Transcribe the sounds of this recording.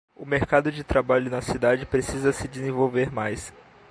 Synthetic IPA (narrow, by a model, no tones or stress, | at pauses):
ʊmeɾkad̪ʊd͡ʒɪt̪ɾabaʎʊnɐsid̪ad͡ʒɪpɾesizɐsɪd͡ʒɪzẽvowveɾmajs